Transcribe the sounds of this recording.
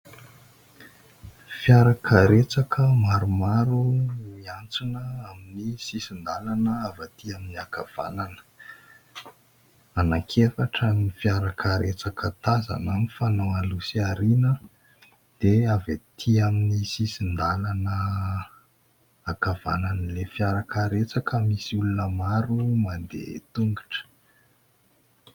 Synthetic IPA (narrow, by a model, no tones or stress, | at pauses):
fjaɾakʰəɾet͡sakʰəmaɾumaɾuiant͡sunəaminisisind̪alanəavat̪iaminiakav̥a̰nanə̥ | anakʰefaʈ͡ʂamnifiaɾakʰəɾet͡sakət̪aza̰namifanoalusiaɾinə | d̪̥eavat̪ʰiaminisisind̪alanə | akav̥a̰nanəlefiaɾakəɾet͡sakəmisiulunəmaɾumand̪ḛt̪uŋɡiʈ͡ʂə̥